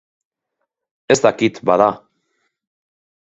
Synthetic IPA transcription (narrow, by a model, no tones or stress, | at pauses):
e̞st̪akit̪baða